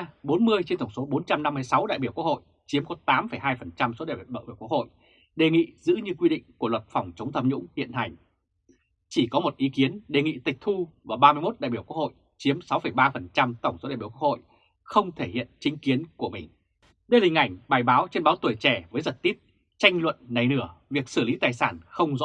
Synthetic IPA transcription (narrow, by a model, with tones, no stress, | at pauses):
ɓo˨˦nmɨ˧əjt͡ɕe˧nt̪ə˧˩ŋ͡mso˨˦ɓo˨˦nt͡ɕa˧mna˧mːɨ˧əjsa˨˦wɗa̰ː˧˨jɓi˧˩əwku˦˥k̚ho̰˧˨j | t͡ɕi˨˦mkɔ˨˦t̪aː˨˦mfə˧˩jɦaː˧jfə˨˩nt͡ɕa˧mso˨˦ɗa̰ː˧˨jɗa̰ː˧˨ʔi˧˩kk̚ho̰˧˨j | ɗe˨˩ŋḭ˧˨zɨ̰˧˥ɲɨ˧kwi˧ɗḭ̈˧˨ŋ̟ku˧˩əlwə˨˩t̚fa˨˧˩wŋ͡mt͡ɕə˨˦ŋ͡mt̪ʰə˧mɲʊ̰˧˥ŋ͡mhḭ˧˨ənɦa˨˩jŋ̟ | t͡ɕi˧˩kɔ˨˦mo˨˩t̚ʔi˨˦ki˨˦ənɗe˨˩ŋḭ˧˨t̪ï˨˩k̚t̪ʰu˧vaː˨˩ɓaː˧mɨ˧jmo˦˥t̚ɗa̰ː˧˨jɓi˧˩əku˦˥k̚ho̰˧˨j | t͡ɕi˨˦əmsa˨˦wfə˧˩jɓaː˧fə˨˩nt͡ɕa˧mt̪ə˧˩wŋ͡mso˨˦ɗaː˧˨i˧˩kwkho̰˧˨j | xə˧wŋ͡mt̪ʰe˧˩hḭ˧˨ənt͡ɕï˨˦ŋ̟ki˨˦ənku˧˩əmï˨˩ŋ̟ | ɗə˧jlï˨˩ŋ̟ʔa˧˩jŋ̟ɓaː˨˩jɓaː˨˦wt͡ɕe˧nɓaː˨˦wt̪u˧˩ət͡ɕɛ˧˩vəː˨˦jzə˨˩t̚t̪i˦˥əp̚ | t͡ɕa˧jŋ̟lwə̰˧˨nːa˨˩jnɨ˧˩əvi˨˩ək̚sɨ˧˩li˨˦t̪aː˨˩jsaː˧˩nxə˧wŋ͡mzɔ̰˧˥